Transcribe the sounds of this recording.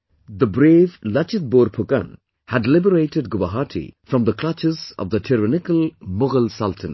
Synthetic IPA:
d̪əbɾeːvlʌt͡ʃɪt̪̚boɾpʰʊkə̰̃n | hædlɪbəɾeɪʈɪd̚ɡʊbəɦaʈʰḭfɾɔ̃md̪əkʰl̥ʌt͡ʃɪzɔ̰vd̪ətʰɪɾənɪkəlˠmʊɡəlsʌltʰə̃n

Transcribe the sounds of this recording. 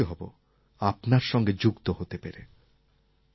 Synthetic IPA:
oɦɔbo | apnaɾʃɔŋɡed͡ʑukt̪oɦot̪epeɾe

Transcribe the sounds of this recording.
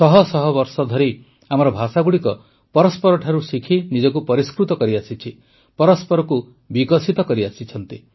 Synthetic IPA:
sɔɦɔsɔɦɔbɔɾsɔd̪ʱɔɾi | amɔɾɔbʱasaɡuɽikɔ | pɔɾɔspɔɾɔʈʰaɾusikʰinid͡ʒɔk̬upɔɾiskɾut̪ɔkɔɾiasit͡ʃʰi | pɔɾɔspɔɾɔku | bikɔsit̪ɔkɔɾiasit͡ʃʰɔnt̪i

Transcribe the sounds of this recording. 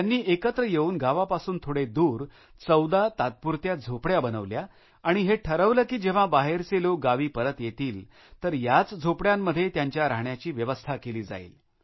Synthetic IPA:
jjanːiːʔekət̪ɾəjeuːnɡaʋapasuːnt̪ʰoɽed̪uːɾ | t͡səwd̪at̪at̪̚puɾt̪jad͡zʱopɽjabənəʋljaː | ɽ̃iɦeʈʰəɾəʋləkiːd͡ʑeʋ̤abaɦeɾt͡seloɡaʋiːpəɾət̪jet̪iːl | t̪əɾjat͡sd͡zʱopɽjamːəd̪ʱːjet̪jaɲt͡ɕjaɾaɦɳjat͡ɕiːʋjəʋəst̪ʰakeliːd͡za̰ḭːl

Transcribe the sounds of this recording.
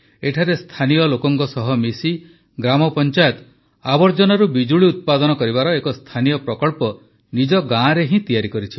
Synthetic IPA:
eʈʰaɾest̪ʰanijɔlokɔŋkɔsɔɦɔmisi | ɡɾamɔpɔnt͡ʃajɔt̪ɔ | abɔɾd͡ʒɔnɔɾubid͡ʒuɭiut̪̚pad̪ɔnɔkɔɾibaɾɔekɔst̪ʰanijɔpɾɔkɔɭpɔ | nid͡ʒɔɡãɾeɦĩt̪ijaɾikɔɾit͡ʃʰi

